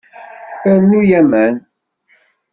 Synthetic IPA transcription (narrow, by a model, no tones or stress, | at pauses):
æɾnujæmən